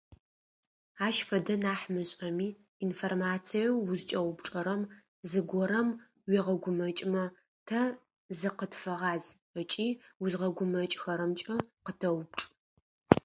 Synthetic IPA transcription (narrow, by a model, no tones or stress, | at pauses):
aːʃfɐdɐnaːħmɨɕʼɐmiː | nformaːt͡sʰijɐwːʊzt͡ʃʼɐwʊpʈ͡ʂʼɐɾɐm | zɨɡʷɔɾɐm | wiʁɐɡʷʊmɐt͡ʃʼmɐ | tʰɐ | zɨqətfɐʁɑːz | ət͡ʃʼiːwʊzʁɐɡʷʊmɐt͡ʃʼxɐɾɐmt͡ʃʼɐqətʰɐwʊp̚ʈ͡ʂʼ